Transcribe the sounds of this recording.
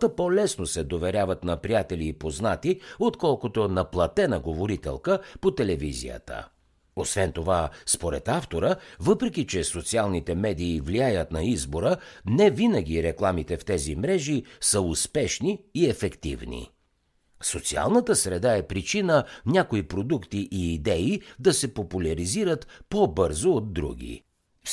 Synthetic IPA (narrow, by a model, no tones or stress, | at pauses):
t̪əpolɛsnosɛd̪ovɛɾʲjavət̪nɐpɾijat̪ɛliːpoznat̪iot̪kɔlˠkot̪onɐplˠɐt̪ɛnəɡovoɾit̪ɛ̰lˠkəpot̪ɛlɛvizḭjə̰t̪ə̰ | osvɛnt̪ovaspoɾɛ̰t̪aft̪oɾəvɤpɾɛkʲit͡ʃɛsot̪sialˠnit̪ɛmɛd̪iːvliajət̪nɐizboɾənɛvinəɡ̟iɾɛklˠamit̪ɛft̪ɛzimɾɛʒisəʊspɛʃniːɛfɛkt̪ḭvnḭ | sot̪sia̰lˠnət̪əsɾɛd̪aɛpɾit͡ʃinənʲakoipɾod̪ukt̪iʔiːd̪ɛid̪ɐsɛpopulʲɐɾiziɾət̪pobɤɾzoːd̪̚d̪ːɾṵɡ̟ʲḭ